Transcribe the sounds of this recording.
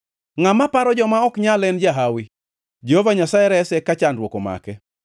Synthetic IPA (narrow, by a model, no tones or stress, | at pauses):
ŋamapaɾɔd͡ʒɔmaɔkɲalɛnd͡ʒaɦawi | d͡ʒehovaɲasaɛɾɛsɛkat͡ʃandwokoma̰kɛ